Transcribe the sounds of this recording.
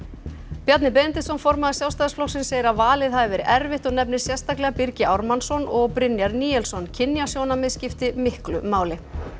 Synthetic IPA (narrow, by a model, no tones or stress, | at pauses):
pjat̪nɪp̬ejnnt̪ɪsɔnfɔɾmaðɪsjawst̪aːðsfplɔxsɪnseːjɪɾaðvaːlɪðɦavɛɾʔɛɾvɪht̪ɔɣnɛpnɪ̥sjɛ̥st̪aklɛɣapiɾcɪʔawɾmansɔnɔɣpɾɪnjaɾniːɛlsɔncʰɪnjasjoːwnamɪscɪft̪ɪmɪhklʏ̰maːwlɪ